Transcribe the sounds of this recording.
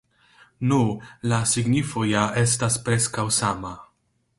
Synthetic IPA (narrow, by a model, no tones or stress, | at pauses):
nulasiɡnifojaest̪aspɾeskawsaːma